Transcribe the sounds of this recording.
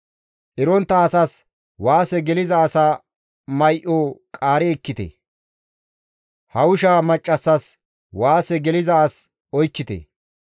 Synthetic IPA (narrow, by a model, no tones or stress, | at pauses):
ʔɪɾɔnt̪ːɐːsɐs | waːsɛɡɛlɪzɐːsaː | mɐjʔoːkʼaːɾɛːkːɪt̪ḛ | hɐwʊʃaːmɐt͡ʃʼːɐsːɐs | waːsɛɡɛlɪzɐːs | ɔjkːɪt̪ḛ